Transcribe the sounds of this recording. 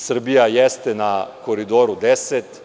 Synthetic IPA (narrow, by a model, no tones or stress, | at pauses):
sr̩bijajɛst̪ɛnakoɾid̪oːɾud̪ɛsɛt̪